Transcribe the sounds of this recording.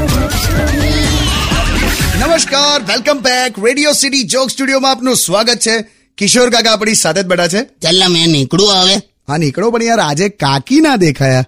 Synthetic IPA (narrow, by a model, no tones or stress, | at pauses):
nəməʃkaɾʋelkəmbɛkɾeɽijosiʈid͡ʒoksʈuɽijomãapnũsʋaɡət̪̚t͡ʃʰe | kɪʃoɾkak̬aːp̬ɳisat̪ʰet̪̚bəɽat͡ʃʰet͡ʃɛlːamɛ̃nikɽũaʋe | ɦãnikɭopəɳiãɾad͡ʒekakinad̪ekʰaja